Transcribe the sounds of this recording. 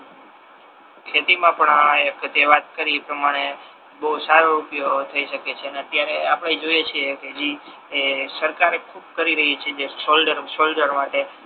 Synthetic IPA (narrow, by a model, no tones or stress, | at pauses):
kʰet̪imãpəɳaekt̪eʋat̪kəɾiepɾəmaɽ̃e | bəɦusaɾoɾupjot̪ʰəiʃəket͡ʃʰeəneət̪jaɾeapɽaid͡ʒojet͡ʃʰieked͡ʒi | esəɾkaɾekʰub̚kəɾiɾəɦit͡ʃʰed͡ʒeʃolɖəɾʃolɖəɾmaʈe